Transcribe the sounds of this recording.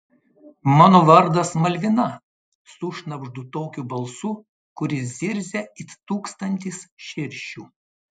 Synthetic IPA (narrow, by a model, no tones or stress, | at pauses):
mɑːnoːʋɐɾd̪ɐsmɐlʲʋʲɪnɐ | sʊʃnɐbʒd̪ut̪oːkʲuːbɐlˠsu | kʊɾʲɪzʲɪɾʲzʲɛɪt̪uːkst̪ɐnʲt̪ʲisʃʲɪɾʲʃʲuː